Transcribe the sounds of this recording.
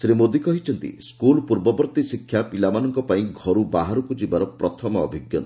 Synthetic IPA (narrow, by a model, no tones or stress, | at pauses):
sɾimod̪ikɔɦit͡ʃʰɔnt̪ḭskulpuɾbɔbɔɾt̪isikʰːjapilamanɔŋkɔpaĩɡʱɔɾubaɦaɾukud͡ʒibaɾɔpɾɔt̪ʰɔmɔɔbʱiɡjɔ̰t̪ɔ